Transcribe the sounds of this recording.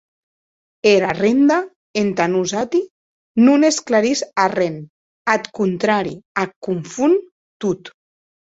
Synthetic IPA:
eɾarend̪a | ent̪anuzat̪i | nunesklaɾizaren | at̪kunt̪ɾaɾiakuɱfun | t̪ut̪

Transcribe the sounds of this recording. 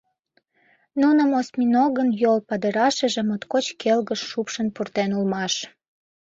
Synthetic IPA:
nunəmosmʲinoɣənjolpɑd̪əɾɑʃə̆ʒe̽mot̪kot͡ɕkʰelɣəʃːupʃənpurt̪enulmɑʃ

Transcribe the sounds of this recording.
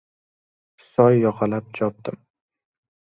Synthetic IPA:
sɒjːɒqʰɑlap̚d͡ʒɒp̚d̪̥ɪm

